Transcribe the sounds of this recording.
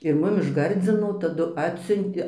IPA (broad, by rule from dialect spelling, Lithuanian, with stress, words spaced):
ɪr ˈmʊm ɪʃ ˈɡɐrʲd͡zʲɪnoː tɐˈdʊ ˈɑːtʲsʲʊnʲtʲeː